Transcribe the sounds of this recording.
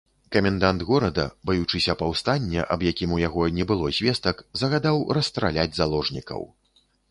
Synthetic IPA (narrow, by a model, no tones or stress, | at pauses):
kɐmʲɛnd̪and̪ɣɔɾɐd̪ɐ̰bajut͡ʂɨsʲɐpawst̪anʲːɛ̰ʔɐbjakʲimujaɣɔnʲɛbɨlˠɔzʲvʲɛst̪ɐkzɐɣad̪awrɐst̪ɾa̰lʲad͡zʲzalˠɔʐnʲikɐ̰w